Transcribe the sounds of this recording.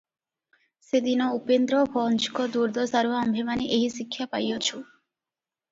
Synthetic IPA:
sed̪inɔupend̪ɾɔbʱɔnt͡ʃkɔd̪uɾd̪ʱɔsaɾuɦambʱemaneʔeɦisikʰːjapajot͡ʃʰu

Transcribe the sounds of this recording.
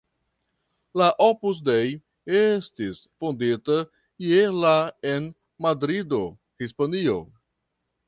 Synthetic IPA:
laʔopus̬dej | e̞stisfondita | ielaen | madɾido̞ | hispanio̞

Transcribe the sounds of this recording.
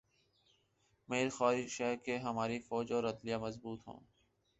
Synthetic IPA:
meːɾxɔːɾiʃɛkeɦɐmaːɾifɔːd͡ʒɔːɾɐd̪lijamɐzbuːt̪ɦõ̰ː

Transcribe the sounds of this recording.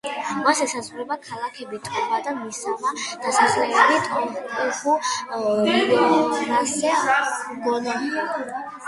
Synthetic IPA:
masɛsazʁuɾɛbakʰalˠakʰɛbit̪ʼɔχad̪amisamad̪̥asaχlɛlit̪ʼɔɔχu | ɾasɛɡɔna

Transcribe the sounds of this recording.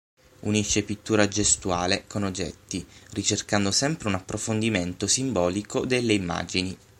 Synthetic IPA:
uniʃːepit̪ːuːɾad͡ʒest̪uaːlekonod͡ʒːɛ̰t̪ːirit͡ʃerkand̪osɛmpɾeunapːɾofond̪iment̪osimbɔːlikod̪elːeimːa̰ːd͡ʒini

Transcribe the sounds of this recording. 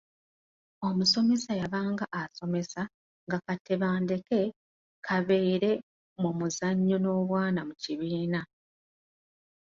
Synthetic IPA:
o̞muso̞me̞sajaβaːŋɡaʔaso̞me̞sa | ŋɡakate̞βaːnde̞ke̞ | kʰaβe̞ːɾe̞ | mumuzaɲːono̞ːβwaːnamuciβiːna

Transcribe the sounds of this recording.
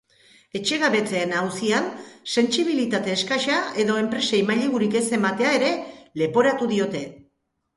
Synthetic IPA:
e̞t͡ʃe̞ɣaβe̞t͡se̞ːnauwsianse̞nsiβ̞ilit̪at̪e̞ːskajʃae̞ðo̞e̞mpɾe̞sejmaʎeɣuɾike̞semat̪e̞ae̞ɾe̞le̞po̞ɾat̪uðio̞t̪e̞

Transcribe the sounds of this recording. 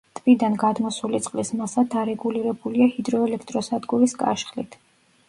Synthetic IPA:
t̪ʼvid̪anɡad̪mɔsulit̪sʼqʼlismasad̪aɾɛɡuliɾɛbuliahid̪ɾɔɛlɛkʰt̪ʼɾɔsad̪ɡuɾiskʼa̰ʃχlḭt̪ʰ

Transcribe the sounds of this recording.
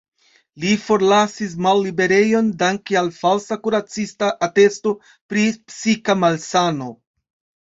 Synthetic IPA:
lifo̞ɾlasis̬malːibe̞ɾe̞jo̞ndaŋkialfalsakuɾat͡sistaʔate̞sto̞ | pɾipsikamalsano̞

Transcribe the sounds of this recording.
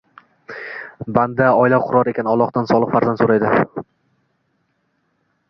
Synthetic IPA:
band̪aɒjɪlaqʰʊɾɒɾˠe̞kʲʰanɒlˠːɒqt̪ansɒlˠɨqfaɾzand̪soɾajd̪ɪ

